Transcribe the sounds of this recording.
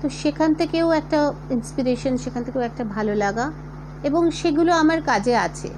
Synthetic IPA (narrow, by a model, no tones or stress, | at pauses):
t̪oʃekʰant̪ʰekewɛk̚ʈainspiɾeʃonʃekʰant̪ʰe̥kewɛk̚ʈabʱalolaɡa | eboŋʃeɡuloamaɾkad͡ʑeat͡ɕʰḛ